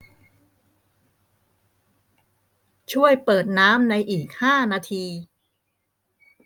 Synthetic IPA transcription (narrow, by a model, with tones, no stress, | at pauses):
t͡ɕʰu˥˩əjpɤː˨˩t̪̚naː˦˥mna˧jʔiː˨˩k̚haː˥˩naː˧t̪ʰiː˧